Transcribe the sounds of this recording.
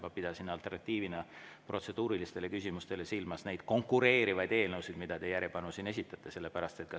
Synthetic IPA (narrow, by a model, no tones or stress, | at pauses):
vɑpid̪̥ɑsinːɑlt̪e̞rnɑt̪ːˑiːvinɑprʔo̞t̪se̞d̪̥uːɾilist̪e̞le̞kys̬ʲimust̪e̞le̞silmɑsne̞jd̪̥̚ko̞ŋkːˑuɾe̞ːɾivɑjd̪̥e̞ːlnɤwsid̪̥mid̪̥ɑd̪e̞jæɾjepɑnusine̞s̬ʲit̪ːˑɑt̪ˑːe̞se̞lːe̞pæɾɑst̪e̞t̪̚kɑ